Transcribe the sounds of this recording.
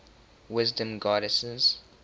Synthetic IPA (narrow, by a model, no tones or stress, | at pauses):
wɪzdə̃mɡɑːɾəsəz̥